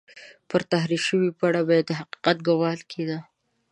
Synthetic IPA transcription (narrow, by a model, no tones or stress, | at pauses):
pəɾt̪aɦɾiʃəwipaɽabɑjad̪ːəɦaqi̥qat̪̚ɡawɑlkʰed̪a